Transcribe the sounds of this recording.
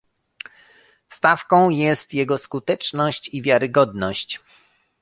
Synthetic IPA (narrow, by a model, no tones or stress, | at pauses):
st̪afkɔ̃w̃jɛst̪jɛɡɔskut̪ɛt͡ʂnɔɕt͡ɕivʲjaɾɘɡɔd̪nɔɕt͡ɕ